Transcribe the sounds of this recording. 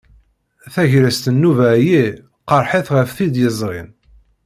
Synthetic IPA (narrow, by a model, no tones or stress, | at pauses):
θæʝɾæst̪ənːuvæji | qɑɾˤħiθʁəfθid̪jəzˤʁḭn